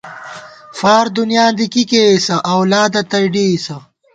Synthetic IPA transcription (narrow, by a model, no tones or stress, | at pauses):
faːɾd̪unjãːd̪ikikeisɐʔɐwlaːd̪ɐt̪ɐjɖiːsɐ